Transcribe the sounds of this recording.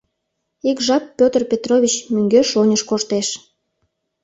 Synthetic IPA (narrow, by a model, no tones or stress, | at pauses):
ikʒɑpːʲot̪ərpʲet̪roβʲit͡ɕmyŋɡøʃonʲəʃkoʃt̪eʃ